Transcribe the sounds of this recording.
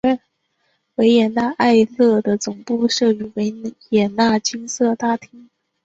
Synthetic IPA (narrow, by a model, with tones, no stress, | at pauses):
we˧˥ɪjɛ˨˩na˥˧ʔa˥˧ɪlɤ˥˩d̪ə˩t͡sʊ˨˩ŋpu˥˧ʂɤ˥˩y˧˥we˧˥ɪjɛ˨˩na˥˩t͡ɕi˥ŋsɤ˥˩t̪a˥t̪ʰi˥ŋ